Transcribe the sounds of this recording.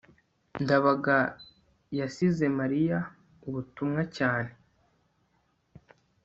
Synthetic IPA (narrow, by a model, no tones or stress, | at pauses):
ndaβaɡa | jasize̞maɾija | uβutumŋacaːne̞